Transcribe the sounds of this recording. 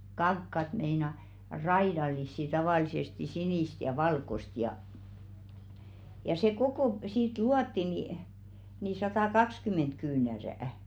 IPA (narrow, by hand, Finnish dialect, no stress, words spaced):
kɑŋkːɑt meinɑ rɑidɑlˑisːi tɑʋɑˑlisesti siniˑst jɑ ʋɑlkost jɑ jɑ se kokoˑ siːt luɑtːi ni ni sɑtɑkɑkskyment kyːnæræˑæ̆